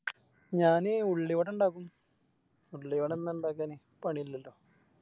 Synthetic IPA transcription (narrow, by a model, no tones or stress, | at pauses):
ɲaːneuɭːiʋɐɽuɳɖaːkːum | uɭːiʋɐɽenːɳɖaːkːaːne | pɐɳijilːɐlːo̞ː